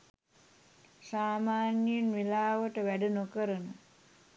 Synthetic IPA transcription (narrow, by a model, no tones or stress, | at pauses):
saːmaːnjənʋilaːʋəʈəʋæɖunokəɾənə